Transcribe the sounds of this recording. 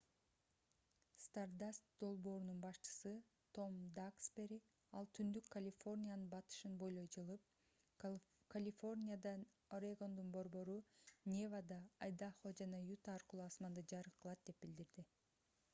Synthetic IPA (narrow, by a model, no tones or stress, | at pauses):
st̪ard̪ast̪d̪̥o̞lˠbo̞ːɾununbɑʃt͡ʃɯ̥sɯ | t̪ʰo̞md̪akspʲeɾʲi | ɑlˠt̪ʰynd̪ykkːɐlʲifo̞rnʲijanɯnbɑt̪ɯ̥ʃɯnbo̞jlˠo̞jd͡ʒɯlˠɯp̚ | kalʲifo̞rnʲijad̪ɑ | rʲeɡo̞nd̪unbo̞ɾbo̞ɾunʲevad̪ɑːjd̪aχod͡ʒɑnɑjut̪aːɾqɯlˠuɑsmɑnd̪ɯd͡ʒɑɾɯqʰːɯlˠɑt̪̚d̪e̞p̚bild̪iɾd̪i